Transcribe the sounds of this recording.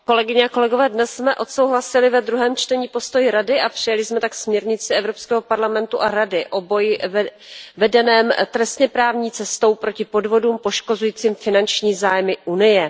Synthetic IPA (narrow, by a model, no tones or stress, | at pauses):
ko̞lɛɡɪɲɛako̞lɛɡovɛːdnɛsːmɛʔo̞t̪sowɦlasɪlɪvɛd̪ɾuɦɛːmt͡ʃt̪ɛɲiːpo̞st̪o̞jɪɾadɪʔapr̝̥ɪjalɪsmɛt̪aksmɲɛɾɲɪt͡sɪɛvɾo̞pskɛːɦopaɾlamɛnt̪uʔaɾadɪʔo̞bo̞j | vɛdɛnɛːmt̪ɾɛst̪ɲɛpɾaːvɲiːt͡sɛst̪o̞wpɾo̞cɪpo̞dvo̞duːmpo̞ʃko̞zujiːt͡siːmfɪnant͡ʃɲiːzaːjmɪʔunɪjɛ